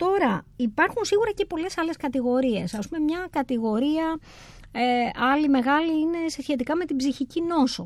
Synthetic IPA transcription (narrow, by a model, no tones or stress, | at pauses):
t̪o̞ɾɐipɐɾxunsiɣuɾɐce̞po̞le̞sɐle̞skɐt̪iɣo̞ɾie̞sɐspume̞mɲɐkɐt̪iɣo̞ɾiɐ | eɐlime̞ɣɐliine̞sesçe̞t̪ikɐme̞t̪ibziçicino̞so